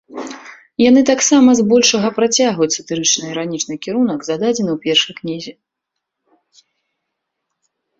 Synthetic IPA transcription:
janɨt̪aksamɐzbɔlʲʂɐɣɐpɾat͡sʲaɣvut͡sʲsɐt̪ɨɾɨt͡ʂnɨiɾanʲit͡ʂnɨkʲiɾunɐɡzad̪ad͡zʲɛnɨwpʲɛrʂɐjknʲizʲi

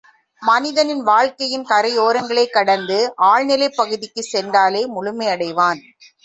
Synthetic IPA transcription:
mɐnɪðɐnɪnʋaːɻkɐjɪnkɐɾɐjoːɾɐŋɡɐɭɐɪkːɐɽɐnd̪ɯʔaːɻnɪlɐɪpːɐɣɯðɪkːɯsɛndaːleːmʊɭʊmɐɪɐɽɐɪʋaːn

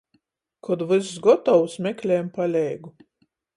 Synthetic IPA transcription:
kʰɔd̪vɨszɡɔt̪ɔwsmʲɛkʲlʲɛːmpalʲɛjɡu

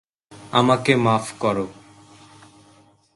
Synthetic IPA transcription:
a̰makemaːfkɔɾo

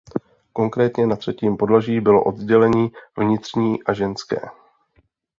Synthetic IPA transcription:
ko̞ŋkɾɛːt̪ɲɛnat̪r̝̥ɛciːmpo̞dlaʒiːbɪlo̞̰ʔo̞d̪zɟɛlɛɲiːvɲɪt̪r̝̥ɲiːʔaʒɛnskɛ̰ː

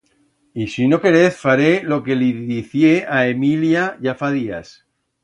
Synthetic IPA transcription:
isino̞ke̞ɾeθfaɾelo̞ke̞liðiθjeaemiljaʝafaðia̰s

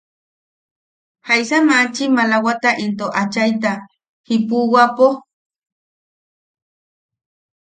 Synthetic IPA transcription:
hajsamat͡ʃimalawat̪aʔint̪oʔat͡ʃajt̪a | hipuwapo

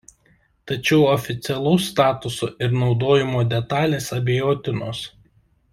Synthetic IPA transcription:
t̪ɐt͡ʃʲɛʊɔfʲɪt̪sʲɛlˠɐʊst̪ɑːt̪ʊso̰ːʔɪɾnɒʊd̪oːjɪmoːd̪ʲɛt̪ɑːlʲeːsɐbʲejoːt̪ʲɪnoːs

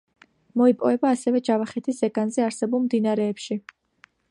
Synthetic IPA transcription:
mɔipʼɔvɛbaːsɛvɛd͡ʒavaχɛt̪ʰisɛɡanzɛaɾsɛbulˠmd̪inaɾɛːpʃi

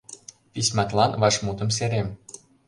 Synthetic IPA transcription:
pisʲmɑt̪lɑnβɑʃmut̪ə̆mseɾem

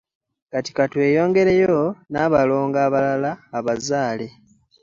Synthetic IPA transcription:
kati̥katwe̞ːjo̞ːŋɡe̞ɾejonaːβalo̞ːŋɡaːβalalaːβazaːle̞

